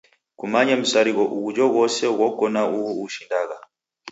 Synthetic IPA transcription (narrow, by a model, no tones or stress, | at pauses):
kumaɲam̩saɾiɣɔʔuɣud͡ʒɔɣɔsɛɣɔkɔnauɣuuʃindaɣa